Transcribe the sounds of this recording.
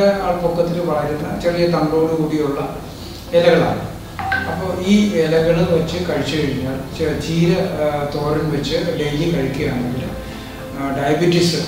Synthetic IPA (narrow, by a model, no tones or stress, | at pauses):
eaːɭpokːɐt̪ːinɨʋɐːɐɾunːɐt͡ɕerijɐt̪ɐŋɡo̞ːɽukuːɽijuɭːɐ | elɐɣɐɭa̰ːɳɨ | ɐpːoːiːelɐɣɐɭunʋɐt͡ɕːɨkɐɻit͡ɕːɐɣɐɻiɲːaːɭt͡ɕiːɾɐt̪o̞ːrinʋet͡ɕːɨɖejlikɐɻikʲːijɐɐnːeŋɡilu | ɖɐjɐbiʈːisɨ